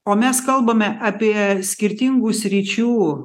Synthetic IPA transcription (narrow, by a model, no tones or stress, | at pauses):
oːmʲɛskɐlˠbɐmʲɛʔɑpʲiɛsʲkʲɪɾʲt̪ʲɪŋɡuːsʲɾʲit͡ʃʲuː